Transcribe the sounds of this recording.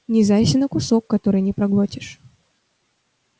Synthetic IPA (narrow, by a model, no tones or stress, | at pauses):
nʲɪzajsʲɪnəkʊsokːɐt̪o̞ɾɨjnʲɪpɾɐɡlˠotʲɪʂ